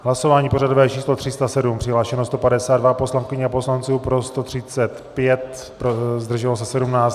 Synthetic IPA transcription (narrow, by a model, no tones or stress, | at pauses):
ɦlaso̞vaːɲiːpo̞radovɛːt͡ʃiːslot̪r̝̥ɪst̪asɛdumpr̥ɪɦlaːʃɛnost̪opadɛsaːd̪dvapo̞slaŋkɪɲɛapo̞slant͡suːpɾo̞st̪o̞t̪r̝̥ɪt͡sɛt̪pjɛt̪ | pɾozd̪r̩ʒɛlos̬ɛsɛdumnaːt͡s